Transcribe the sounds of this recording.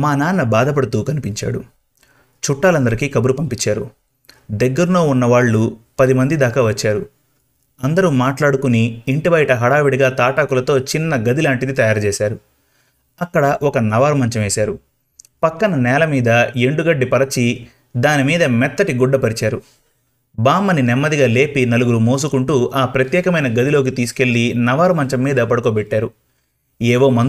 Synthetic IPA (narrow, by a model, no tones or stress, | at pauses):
maːnaːnːɐbaːd̪ɐp̬ɐɽut̪uːkɐnipiɲt͡ʃa̰ːɽṵ | t͡ʃuʈːaːlɐnd̪ɐɾikiːkɐbuɾupɐmpit͡ʃːaːɾu | d̪ɛɡːɐɾuno̞ːunːɐʋaːɭːupɐd̪imɐnd̪id̪aːkaːʋɐt͡ʃːaːɾu | ɐnd̪ɐɾumaːʈlaːɽukuniːɳʈibɐjʈɐɦɐɽaːʋiɽiɡaːt̪aːʈaːkulɐt̪o̞ːt͡ʃinːɐɡɐd̪ilaːɳʈid̪it̪ɐjaːɾt͡ʃɛːsaːɾu | ɐkːɐɽɐʔɔkɐnɐʋaːɾumɐɲt͡ʃɐmeːsaːɾu | pɐkːɐnɐnɛːlɐmiːd̪ɐe̞ɳɖuɡɐɖːipɐɾɐt͡ʃi | d̪aːnimiːd̪ɐmɛt̪ːɐʈiɡuɖːɐpɐɾit͡ʃaːɾu | baːmːɐninɛmːɐd̪iɡaːle̞ːpinɐluɡuɾumo̞ːs̬ukuɳʈuʔaːpɾɐt̪jɛːkɐmɐjnɐɡɐd̪ilo̞ːk̬it̪iːsu̥ke̞ɭːinɐʋaːɾumɐɲt͡ʃɐmːiːd̪ɐpɐɽukoːbɛʈːaːɾu | ɛːʋo̞ːmɐn